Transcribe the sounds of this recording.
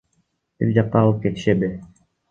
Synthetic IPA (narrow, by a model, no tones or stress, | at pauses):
b̥ḭɾd͡ʒɑq̚t̪ːɑːlˠɯp̚ket̪ɪ̥ʃebi